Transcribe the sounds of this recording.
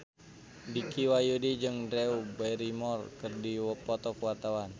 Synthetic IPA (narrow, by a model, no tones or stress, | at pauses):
dikiwajudid͡ʒɨŋdɾɛubajɾimɔrkərdiwəpɔt̪ɔkəwat̪awan